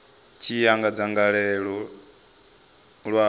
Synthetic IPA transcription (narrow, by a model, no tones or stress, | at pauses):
t͡ʃʰijaŋɡad͡zaŋɡaɺɛɺɔ | ɺwa